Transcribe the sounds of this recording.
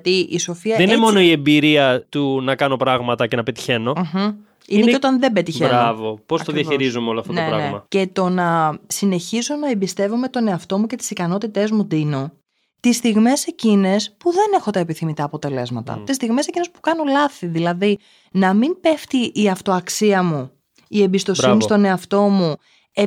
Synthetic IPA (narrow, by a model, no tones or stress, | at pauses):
ɐt̪iʔiso̞fiɐðeniemo̞no̞iembiɾiɐt̪unɐkɐno̞pɾɐɣmɐt̪ɐce̞nɐpet̪i̥çe̞no̞ | ineneot̪ɐnðe̞bet̪içeɾɐvopost̪oðjɐiɾizumeo̞loɐft̪oneɾɐ̰neɣmɐce̞t̪o̞nɐsine̞çizo̞nɐembist̪e̞vome̞t̪o̞ne̞ɐft̪o̞muce̞t̪i̥sikɐno̞t̪it̪e̞zmud̪ino̞ | t̪ist̪iɣme̞se̞cine̞spuðe̞ne̞xo̞t̪ɐe̞piθimit̪ɐːpo̞t̪e̞le̞̰zmɐt̪ɐ̰t̪is̬t̪iɣme̞se̞cine̞spu̥kɐno̞lɐθiðilɐði | nɐmimpe̞ft̪iʔːɐft̪o̞ɐksiɐmu | ie̞mbist̪o̞sinist̪o̞ne̞ɐft̪o̞mu | e